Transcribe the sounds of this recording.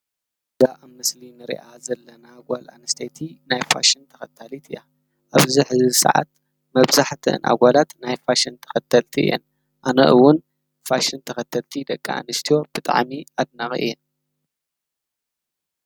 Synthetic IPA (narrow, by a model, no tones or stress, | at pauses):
zaʔamɨslinɨɾḭʔazɐlːɐnaɡʷala̰nɨst̪ʰɐjt̪ʰinajfa̰ʃint̪ʰɐ̥xɐt̪ʰːalit̪ʰɨjːa̰ | ʔaβziħɨzsɐ̰ʕa̰t̪̚ | mɐβzaħt̪ʰɨɨ̰nʔa̰ɡʷalat̪najfaʃint̪ʰɐ̥xɐt̪ʰɐlt̪ʰiʔɨ̰jɛ̰n | ʔanɐ̰ʔɨwːʊn | faʃɨnt̪ʰɐxɐt̪ʰːɐlt̪ʰid̪ɐkʼːaa̰nɨst̪ʰijo̞b̥ɨt̪ʼa̰ʕmiad̪̚naxʔɨ̰jːɛn